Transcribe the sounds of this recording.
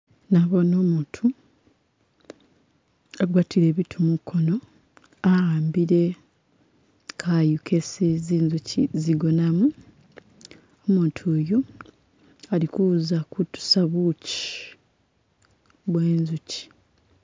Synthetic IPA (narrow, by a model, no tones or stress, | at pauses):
naβo̞no̞ːmuːtʰu | aɡwaːtʰiɾe̞ːβitʰumukʰːo̞no̞ | aaːmbiɾe̞ | kʰajukʰesiziːnzuciziɡo̞namu | omuːtʰuːjo | alikuzakutu̥saβuci̥ | βwe̞ːnzuci̥